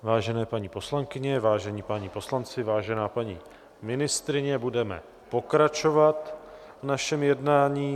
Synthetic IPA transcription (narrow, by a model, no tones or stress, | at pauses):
vaːʒɛnɛːpaɲiːpo̞slaŋkɪɲɛvaːʒɛɲiːpaɲipo̞slant͡sɪvaːʒɛnaːpaɲḭː | mɪnɪst̪ɾɪɲɛbudɛmɛ̰ | po̞kɾat͡ʃo̞vat̪ | vnaʃɛmjɛdnaːɲiː